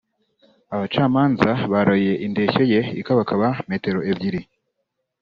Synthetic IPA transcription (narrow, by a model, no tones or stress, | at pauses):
aβat͡ʃaːmaːnzaβaɾojije̞ʔinde̞ço̞je̞ḭkaβakʰaβame̞ːte̞ɾo̞ebɟiɾi